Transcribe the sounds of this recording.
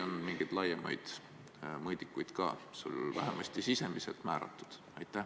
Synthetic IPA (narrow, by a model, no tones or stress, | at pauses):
onmiŋɡ̥ed̪lɑjemɑ̰jd̪̥ | mɤjd̪ikːˑujd̪̥kɑ̰ːseuo̰lvæɦemʔɑsʲt̪isise̞miselt̪mæːɾɑ̰t̪ːˑu̥d̪̥ | ɑjt̪ːˑæh